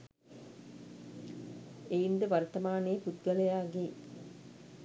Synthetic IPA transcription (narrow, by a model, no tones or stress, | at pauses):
eind̪ɐʋɐɾt̪ɐmaːneːput̪ɡɐlɐjaːɡeː